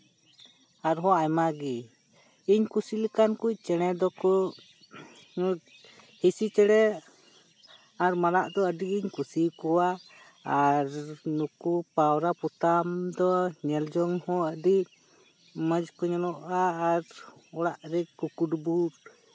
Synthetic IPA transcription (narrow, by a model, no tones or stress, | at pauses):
aɾɦɔ̃ajmaɡi | iɲkusilikankuc̚ˀt͡ʃɛɽ̃ɛd̪ɔkɔ | ɲu | hisit͡ʃɛɽɛ | aɾmanaʔd̪ɔəɖiiɲkusikɔwa | aɾnukupawɾaput̪amd̪ɔɲɛld͡ʒɔŋhɔəɖi | məd͡ʒkɔɲɔnɔʔaːɾɔɽaʔɾɛkukuɖbuɾ